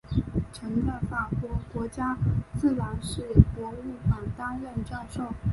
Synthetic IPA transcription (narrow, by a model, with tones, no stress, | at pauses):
ʈ͡ʂʰə˧˥ŋt͡sa˥˩ɪfa˨˩kwɔ˧˥kwɔ˧˥t͡ɕja˥t͡sɹ̩˥˩ɻa˧˥nʂɻ̩˥˩pwɔ˧˥y˥˩ka˨˩nt̪a˥ɻə˥˧nʈ͡ʂɑ˥˧ʂo˥˩ʊ